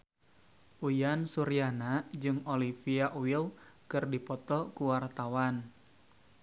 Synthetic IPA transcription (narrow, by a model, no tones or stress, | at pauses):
ʔujansuɾianad͡ʒɨŋolifiaʔwilkɨrdipɔt̪ɔkuwart̪awan